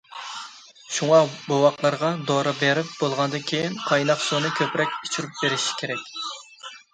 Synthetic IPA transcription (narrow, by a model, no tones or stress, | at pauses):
ʃuŋɑbowɑqlˠɑɾʁɑd̪oɾɨbeɾɪp̚bolˠʁɑnɨd̪ɨnkʲʰejinqʰɑjnɑqsonɨkʲʰøpɾɛkʲit͡ʃʰyɾyp̚beɾɪʃi̥kʲʰeɾɛkʲ